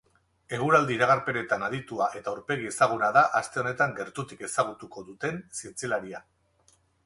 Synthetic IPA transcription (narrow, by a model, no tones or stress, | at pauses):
e̞ɣ̞uɾald̪iːɾaɣ̞aɾpe̞ne̞t̪anaðit̪uaʔe̞t̪auɾpe̞ɣ̞ie̞saɣ̞unaðaʔast̪e̞o̞ne̞t̪aŋɡe̞ɾt̪ut̪ike̞saɣ̞ut̪uko̞ðut̪e̞nsie̞nt͡silaɾia